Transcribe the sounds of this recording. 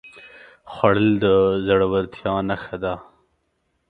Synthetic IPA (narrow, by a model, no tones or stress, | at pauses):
xwaɽəld̪əzaɽawaɾt̪ʰjɑːnaxad̪a